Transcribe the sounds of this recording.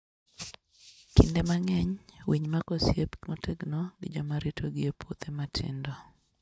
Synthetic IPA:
kɪ̰ndemaŋɛɲwiɲmakosjepmotʰeɡnɔɡɪd͡ʒɔmaɾitʰoɡɪepwot̪ematʰɪ̰ndɔ

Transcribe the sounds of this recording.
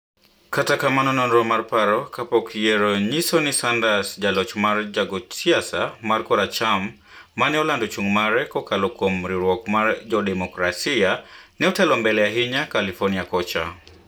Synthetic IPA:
katakamanɔnɔnɾɔmarpaɾɔkapɔkjɛɾɔɲisɔnisandasd͡ʒalɔt͡ʃmard͡ʒaɡɔtiasamarkɔɾat͡ʃamː | anɛɔlandɔt͡ʃuŋmaɾɛkɔkalɔkomɾiɾwɔkmaɾd͡ʒɔdɛmɔkɾasianɛɔtɛlɔmbɛlɛjaɦiɲakalifɔrniakɔt͡ʃa̰

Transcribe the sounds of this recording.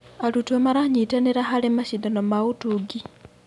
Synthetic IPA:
alutuemaɾaɲitaneɾaɦalemaʃidanomautuɡi

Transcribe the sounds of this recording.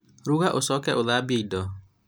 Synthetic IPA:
ɾuɣaʔosɔkɛʔoðaːbeidɔ

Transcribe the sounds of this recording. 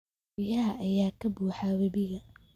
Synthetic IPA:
ɪjɐɦɐʔɐjaːkʰɐbuːħawɐbɪɣɐ

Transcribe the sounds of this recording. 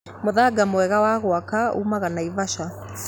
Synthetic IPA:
moðaɡamoɛɣawaɣoakaṵmaɣanaivaʃa

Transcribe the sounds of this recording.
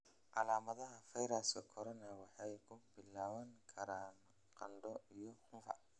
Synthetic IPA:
ʔɑlaːmɐðɐɦɐfɐjɾɐskʰɐkʰɔɾɔnɐwɑħɑjkʰʊbɪlaːβɐŋkʰɐɾaːn | qɐ̰nd̪ɔijɔhʊmfɐ̰

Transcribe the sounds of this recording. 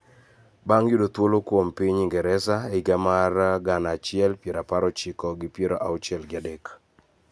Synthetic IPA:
baŋjudot̪wolokwompiɲiŋɡɛɾɛsaeiɡamarɡanat͡ʃɪɛlpjeɾapaɾɔt͡ʃɪkɔɡɪpjeɾoʔaʊt͡ʃɛlɡɪadek

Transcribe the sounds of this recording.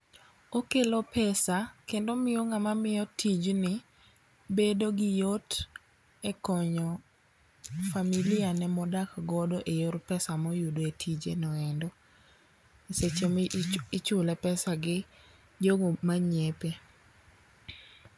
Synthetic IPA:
okelopɛsakendomɪjoŋamamɪjɔtʰid͡ʒnɪ | bedoɡɪjot | ɛkɔɲɔ | familɪanɛmɔdakɡɔdɔʔejoɾpɛsamɔjudoetʰid͡ʒḛnɔɛndɔ | eset͡ʃemɪt͡ʃʊlɛpɛsaɡɪ | d͡ʒoɡomaɲepe

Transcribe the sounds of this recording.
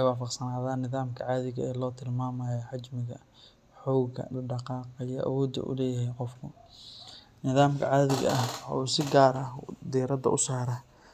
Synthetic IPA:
wɑːfɑqsɐnaːðaːnːɪðaːmkʰɐʕaːðɪɣɐɛːlɔːt̪ʰɪlmaːmɐːjɔħɑd͡ʒmɪɣɐ̰ | ħɔːɡɐ̰ɖɑqɑːqɑijɔʔɐ̰wɔːd̪ɐ̰ʔʊ̰lɛːjhɛjqɔfkʰʊ | nɪðaːmkʰɐ̰ʕaːðɪɣɐ̰ʔɐhwħɑ̰ːuːsɪɡaːɾɐd̪iːɾɐd̪ɐ̰ʔʊsaːɾɐ

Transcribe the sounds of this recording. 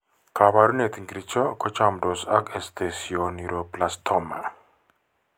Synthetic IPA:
kʰaβaɾunet̪iŋɡɾit͡ʃɔkɔt͡ʃamdɔsakest̪ʰesioniɾoplast̪ʰɔma̰

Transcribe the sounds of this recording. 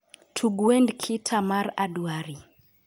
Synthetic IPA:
tʰuɡuɛndkʰitʰamaɾaduaɾi

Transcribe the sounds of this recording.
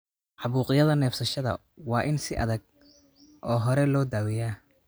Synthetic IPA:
ʕɑβuːqɪjɐðɐnɛːfsɐʃɐðɐ̰ | wɑːʔɪnsɪʔɐ̰ðɐɡ̚ | ʔɔːɦɔɾɛlɔːd̪aːwɪjaː

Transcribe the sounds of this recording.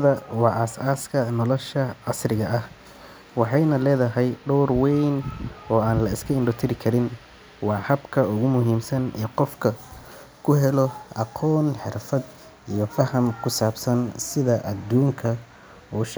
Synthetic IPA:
ðɐwɑːʔɐsaːskʰɐnɔlɔʃɐɑsrɪɣɐʔɐh | wɑħɑjnɐlɛːðɐɦɛjɖɔːrwɛjnɔːaːnlɐɪskʰɐɪɳɖʊt̪ʰɪɾɪkʰɐɾɪn | wɑːhɐbkʰɐʊɣʊmʊɦiːmsɐnɛːqɔfkʰɐ | kʰʊɦɛlɔʔɑqʰɔːnħɪrfɐd̪ | ijɞfɐhɐmkʰʊsaːbsɐnsɪðɐʔɐd̪ːuːŋkʰɐ | ɔːʃ

